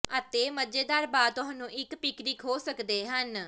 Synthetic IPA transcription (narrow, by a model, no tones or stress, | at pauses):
ət̪eːməd͡ʒeːd̪aːɾbaːd̪t̪ʊɦə̃nũːʔɪkpɪkɾikɦoːsəkd̪eːɦən